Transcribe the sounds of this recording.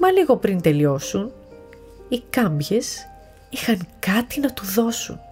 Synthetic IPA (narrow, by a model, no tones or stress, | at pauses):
mɐliɣo̞pɾint̪e̞lio̞sun | ikɐmbʝe̞s | ixɐŋkɐt̪inɐt̪uðo̞sṵn